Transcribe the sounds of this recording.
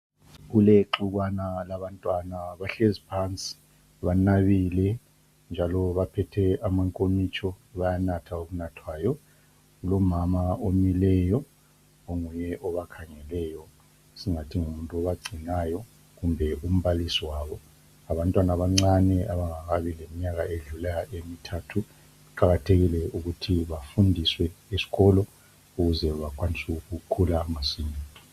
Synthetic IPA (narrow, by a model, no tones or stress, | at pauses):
ɣuleǁuɣwanalaβantʼwanaβaɬezipʰant͡sʼi̥ | βanaβilɛ | nd͡ʒʱalɔβapʰɛtʰɛamaŋkʼomit͡ʃʰʼɔβajanatʰaoβunatʰwaːjɔ | ɣulomamaomilɛjɔ | oŋujɛʔɔβakʰaŋɛlɛjɔ | siŋatʰiŋumuntʼuɔβaɡ͡ǀʱinajɔ | ɣumbʱɛʔum̩βalisiwaːβɔ | aβantʼwanaβaŋ͡ǀanɛʔaβaŋaɣaβilemiɲaɣaeɮulɛjaʔemitʰatʰu | uǃaɣatʰeɣilɛuɣutʰiβafundʱiswɛesi̥ɣɔlɔ | uɣuzɛβakʰʼwanisuuɣukʰulaŋasiːɲɛ